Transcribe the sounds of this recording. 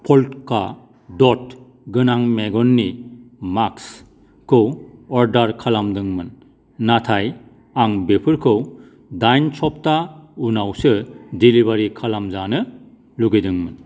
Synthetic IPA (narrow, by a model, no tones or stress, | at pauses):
pʰɔltka | dɔt̚ | ɡɯnaŋmeɡɔnːimaks | kʰɯwɔɾdaɾkʰalamdɯŋmɯnː | atʰaj | aŋbepʰɯɾkʰɯw | dajnsʰɔp̚taunawsɯdiliβaɾikʰalamzanɯ | luɡedɯŋmɯn